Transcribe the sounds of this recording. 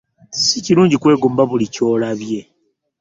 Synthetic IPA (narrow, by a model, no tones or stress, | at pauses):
siciɾuːɲɟikwe̞ːɡuːmbaβulico̞ːlaβje̞